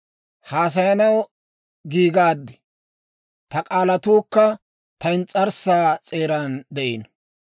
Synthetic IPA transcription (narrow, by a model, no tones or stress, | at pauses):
haːs̬ɐjɐnɐw | ɡiːɡaːd̪ːɪ | t̪ɐkʼaːlɐt̪uːkːɐ | t̪ɐɪnt͡sʼɐɾsaːt͡sʼe̞ːɾand̪ɛʔin